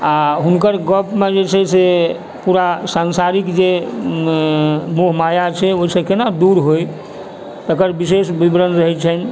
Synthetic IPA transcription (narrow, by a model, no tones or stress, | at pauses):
aɦunkəɾɡəpmed͡ʒet͡ʃʰɛse | puɾasansaɾikd͡ʒe | moɦmajat͡ʃʰɛoisẽkenad̪uɾɦoj | t̪əkəɾbisesbibɾənɾəɦɛt͡ʃʰɛn